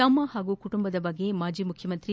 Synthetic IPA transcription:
ɐmːɐɦaːɡukuʈumbɐd̪ɐbɐɡːe̞maːd͡ʒiːmukʰjɐmɐnt̪ɾi

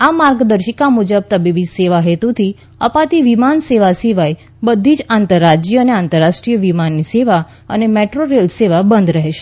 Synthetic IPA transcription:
amaɾɡd̪əɾʃəkamud͡ʒəb̚t̪əbiʋid͡ʒseʋaɦet̪ut̪ʰi | əpat̪iʋimanseʋasiʋaj | bəd̪ʱːid͡ʒant̪əɾːad͡ʒijəneant̪əɾːaʃʈɾijəʋimanːiseʋa | ə̰nemeʈɾoɾelseʋabənd̪ɾəɦeʃe̥

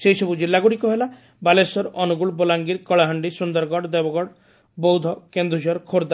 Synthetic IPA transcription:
sejsɔbud͡ʒilːaɡuɽikuɦela | balesɔɾɔnuɡuɭbolaŋɡiɾkɔɭaɦəɳɖisund̪ɔɾɡɔɽd̪ebɔɡɔɽ | bɔwd̪ʱɔkend̪ɾud͡ʒɔɾkʰoɾd̪a

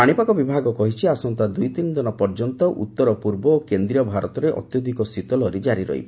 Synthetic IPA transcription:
aɽ̃ipakɔbibʱaɡɔkɔɦit͡ʃʰiasɔnt̪ad̪ujt̪inɔd̪ɔnɔpɔɾd͡ʒɔnt̪ɔʔṵt̪ːɔɾɔpuɾbɔːkend̪ɾiɔbʱaɾɔt̪ɔɾeʔɔ̰t̪jɔd̪ʱikɔsit̪ɔlɔɾed͡ʒaɾiɾɔ̰ɦḭb

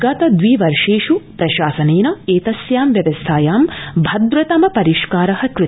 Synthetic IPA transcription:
ɡaːt̪ɐd̪ʋiːʋɐɾʂeːʂupɾɐʃaːsɐneːnɐeːt̪ɐsjaːmʋjɐʋɐst̪ʰaːjaːmbʱɐd̪ɾɐt̪ɐmɐpɐɾiʃkaːɾɐhɐkɾɨ

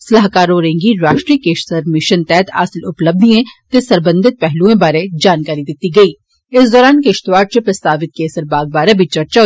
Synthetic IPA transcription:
sɐlaːɦkaːɾoɾẽːŋɡiɾaːʃʈɾiːkeːʃsəɾmɪʃənt̪ɛːt̪a̰ːsɪlʊpləb̚d̪ʱiẽt̪esɐɾbə̃nd̪ɪt̪̚pɛɦlũẽbaːɾed͡ʒaːnkaːɾid̪ɪt̪iɡɐiː | ɪsd̪ɔːɾaːnkeːʃt̪ʋaːɾʈ̚t͡ʃepɾɐst̪aːʋɪt̪̚keːsəɾbaːɡ̚baːɾebʱit͡ʃɐɾt͡ʃa

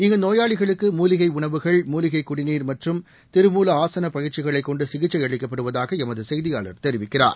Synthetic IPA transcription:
ɪŋɡɐnoːjaːɭɪɣɐɭɯkːɯmuːlɪɣɐɪʊɳɐʋɯɣɐɭmuːlɪɣɐɪkːʊɽɪniːɾmɐʈrɯm | t̪ɪɾɯmuːlɐaːsɐnɐpɐjɪɾt͡ʃɪɣɐɭɐɪkːɔɳɖɯsɪɣɪt͡ʃːɐjɛɭɪkːɐpːɐɽɯʋɐðaːɣɐɛmɐðɯsɛjðɪjaːɭɐ̰ɾt̪ɛɾɪʋɪkːɪra̰ːɾ

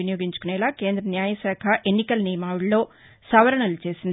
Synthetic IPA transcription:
inijo̞ːɡiɲt͡ʃu̥kunɛːlaːke̞ːnd̪ɾɐnjaːjɐsaːkʰɐʔe̞nːikɐlnijɐmaːuɭːo̞ː | sɐʋɐɾɐɳɐlut͡ʃe̞ːsind̪

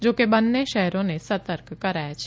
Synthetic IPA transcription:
d͡ʒoːkebənːeʃɛɦɾõnesət̪əɾkkəɾaːjat͡ʃʰ

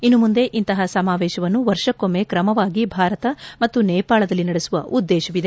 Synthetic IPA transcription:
inːumund̪e̞ʔint̪ɐɦɐsɐmaːʋɛːʃɐʋɐnːuʋɐɾʂɐkomːekɾɐmɐʋaːɡibʱaːɾɐt̪ɐmɐt̪ːunɛːpaːɭɐd̪ɐlːinɐɽesuʋɐ̰ʔud̪ːɛːʃɐʋid̪e

